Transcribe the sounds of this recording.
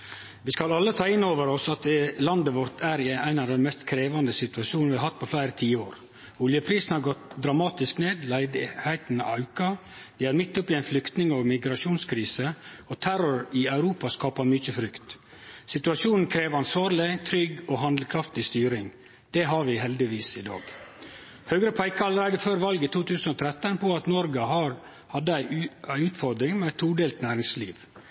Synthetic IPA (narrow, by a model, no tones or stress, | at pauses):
ʋɪskɑlɑlːət̪ʰɑːɪnːoːʋəɾɔsɑt̪̚lɑnd̪əʋɔɾt̪ʰæɾɪæɪnɑʋd̪ɛnmɛst̪kʰɾeːʋɑnd̪əsɪt̪ʉɑʃuːnnʋɪhɑɦɑt̪̚ːpʰɔflæɪɾət̪ʰiːəoːɾ | ʊljəpʰɾiːsn̩hɑɾɡɔt̪d̪ɾɑmɑːt̪ɪskneːd̪læɪd̪ɪhæɪt̪n̩ɛɑʉkɑ | d̪ɪæɾmɪt̪ːɔpɪæɪnflʏkt̪nɪŋɔmɪɡɾɑʂuːnskʰɾiːsə | ɔt̪ʰæɾɔɾɪɑʉɾuːpɑskɑːpɑmʏçəfɾʏkt̪ | sɪt̪ʉɑʃuːnn̩kʰɾeːʋɑnsʋɑːɾlɪt̪ʰɾʏɡɔːɦɑnd̪lkʰɾɑft̪ɪst̪yːɾɪŋ | d̪̥ɛɦɑɾʋɪɦɛld̪ɪʋiːsɪd̪ɑ̰ːɡ | høːɡɾəpʰæɪkəɾɑləɾæɪd̪əføːɾʋɑlɡət̪ʰuːt̪ʰʉːsn̩oːt̪ʰɾɛt̪ːənpʰɔɑt̪nɔɾɡəhɑɾ | hɑd̪ːəæɪæɪʉːt̪fɔɾd̪ɾɪŋmɛæt̪ʰːuːɖeːlt̪næːɾɪŋsliːʋ